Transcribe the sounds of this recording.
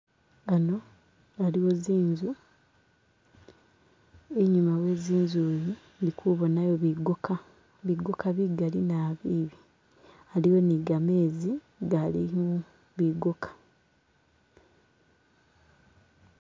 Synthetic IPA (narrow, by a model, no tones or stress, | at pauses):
ano̞ | aliwo̞ziːɲzu | eɲumawe̞ziːnzuβi | ndikʰuβo̞najo̞βiɡoka | βiɡokaβiɡalinaːβiːβi | aliwo̞niɡame̞ːzi | ɡalimu | βiɡokʰḁ